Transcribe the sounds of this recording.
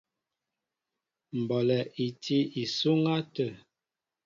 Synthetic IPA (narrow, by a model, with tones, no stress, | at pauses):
m̩˨bɔ˨lɛ˨ʔi˨tʰi˦i˨su˦ŋa˦tə˨